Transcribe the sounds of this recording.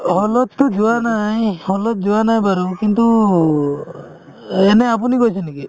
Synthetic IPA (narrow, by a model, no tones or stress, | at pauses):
hɔlɔt̪ːɔd͡ʒuanajhɔlɔt̪̚d͡ʒuanajbaɾukint̪u | eneap̬unikɔjt͡ʃʰeniki